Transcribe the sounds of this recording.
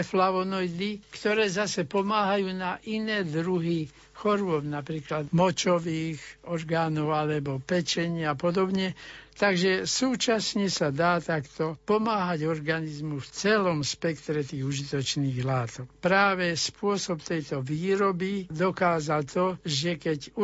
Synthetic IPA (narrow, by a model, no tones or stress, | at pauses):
flaʋɔnɔjd̪ikt̪ɔɾɛːzasɛpɔmaːɦajuːnaʔinɛːd̪ɾuɦi | xɔɾʊɔbnapɾiːklad̪mɔt͡ʃɔʋiːɣɔɾɡaːnɔʊalɛbɔpɛt͡ʃɛɲɪaapɔd̪ɔbɲɛt̪aɡʒɛsuːt͡ʃasɲɛsad̪aːt̪akt̪ɔpɔmaːɦaɟɔɾɡanizmuft͡sɛlɔmspɛkt̪ɾɛt̪iːɣuʒit̪ɔt͡ʃniːɣlaːt̪ɔkpɾaːʋɛspʊɔsɔpt̪ɛjt̪ɔʋiːɾɔbid̪ɔkaːzalt̪ɔʒɛkɛɟ